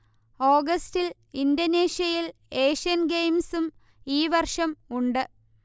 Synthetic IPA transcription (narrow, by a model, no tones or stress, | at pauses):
oːɡɐstil | indoneːʂjɐjile̞ːʂijɐnɡejmsum | iːʋɐrʂɐmuɳɖɨ